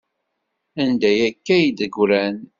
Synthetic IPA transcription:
ænd̪æjækːæjid̪əɡɾæn

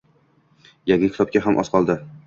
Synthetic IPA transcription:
jaŋʲakʲʰt̪ʰɒb̚kʲaɦamʔɒ̰sqʰɒlˠd̪ɪ

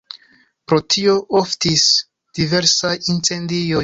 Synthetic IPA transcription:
pɾo̞tʰio̞ʔoftis | d̥ive̞ɾsaʔint͡se̞ndijo

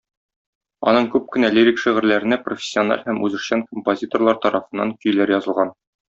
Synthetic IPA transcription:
ɒnɤɴkʉp̚kɘ̆næliɾʲikʃiʁɘ̆ɾlæɾɘ̆næprofʲɪ̥sʲːionɑ̰lʲhæmʔʉzɘ̆ʃɕɑŋkompozʲit̪o̞rlˠɑɾt̪ɒɾʔɑfɤ̆nːɑŋkɵ̆jlæɾjɒzɤlˠʁɑn

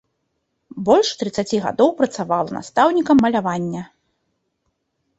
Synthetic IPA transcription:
bɔlʲʂt̪ɾɨt̪sːat͡sʲiɣa̰d̪ɔwpɾɐt̪savalˠɐ̰na̰st̪awnʲikɐmːɐlʲavanʲːɐ

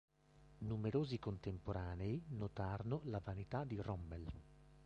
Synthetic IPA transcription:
numeɾoːzikont̪empoɾʔaːneinot̪aːɾonolavanit̪ad̪irɔmːel

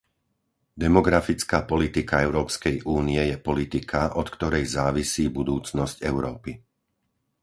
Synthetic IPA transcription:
d̪ɛmɔɡɾafit͡skaːpɔlit̪ikaɛʊɾɔːpskɛjʔuːniɛjɛpɔlit̪ikʰaʔɔt̪kt̪ɔɾɛjzaːʋisiːbud̪uːt͡snɔscɛʊɾɔːpi

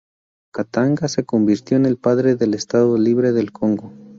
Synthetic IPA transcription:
kat̪aŋɡase̞ko̞mbiɾt̪jo̞ene̞lpaðɾe̞ðe̞le̞st̪aðoliβɾe̞ðe̞lkʰo̞ŋɡo̞

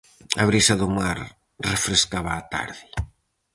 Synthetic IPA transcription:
aβɾisaðʊmaɾ | refɾeskaβaːt̪a̰ɾðɪ

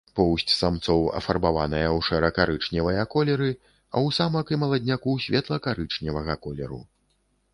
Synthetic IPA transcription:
pɔwsʲt͡sʲsamt̪sɔwɐ̰fɐrbavanɐjɐwʂɛɾɐkaɾɨt͡ʂnʲɛvɐjɐkɔlʲɛɾɨ | ɐ̰wsamɐkɨmɐlˠɐd̪ʲnʲakusʲvʲɛt̪lˠɐkaɾɨt͡ʂnʲɛvɐɣɐkɔlʲɛɾṵ

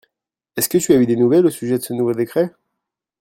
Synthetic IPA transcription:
ɛskət̪yayd̪enuvɛlosyʒɛd̪əsənuvod̪ekχɛ

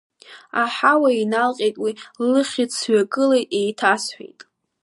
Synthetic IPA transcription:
aħawainalqʲʼejtʼwiɨχʲit͡sʰɥaɡʼɨlejtʼejtʰasħʷᶣḛjtʼ

